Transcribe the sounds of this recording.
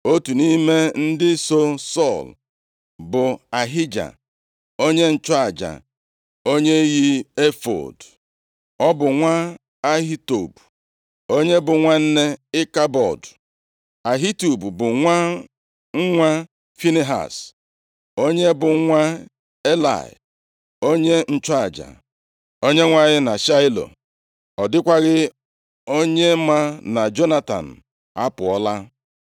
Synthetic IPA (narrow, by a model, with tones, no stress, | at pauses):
o˦tu˨ni˦me˦n̩˦dɪ˦so˦sɔ˦˨l | bʊ˨a˨ɦi˦d͡ʒa̰˨ | o˦ɲe˦n̩˨t͡ʃɔ˦a˨d͡ʒa̰˨ | o˦ɲe˦ji˦e˦fo̰˨d | ɔ˦bʊ˨ŋʷa˦ | a˦ɦi˦to̰˨bu˨ | o˦ɲe˦bʊ˨ŋʷa˦n̩˦ne˦ɪ˦ka˦bɔ̰˨d | a˨ɦi˦tu˨bu˨bʊ˨ŋʷa˦ | ŋ̩˦ŋʷa˦ | fi˦ne˦ɦa̰˨s | o˦ɲe˦bʊ˨˦ŋʷa˦ | e˦la̰˨ɪ̰˨ | o˦ɲe˦n̩˦˨t͡ʃa˨d͡ʒa̰˨ | o˦ɲe˦ŋʷa˦˨ɲɪ˦na˨ʃa˦ɪ˦lo̰˨ | ɔ˨dɪ˦kʷa˦ɣɪ˦ | o˦ɲe˦ma˦na˨d͡ʒo˦na˦ta̰˨n̩˨ | a˦pʊ˨ɔ˦la˦